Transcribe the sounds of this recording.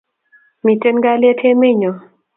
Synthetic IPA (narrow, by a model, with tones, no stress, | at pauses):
mi˨te˦nɡa˦lɛ˦tʰe˦me˦˨ɲɔ˨